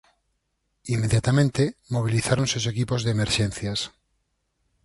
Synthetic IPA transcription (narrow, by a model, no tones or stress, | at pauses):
imːeðjat̪amẽnt̪emoβ̞iliθaɾonsosekipozðeːmeɾʃẽnθjas